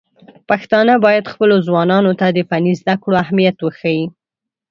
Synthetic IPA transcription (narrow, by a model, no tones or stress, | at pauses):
paxt̪ɑnabɑjad̪xpəlozwɑnɑnot̪ad̪əpanizd̪akɽoahmijat̪wəxaji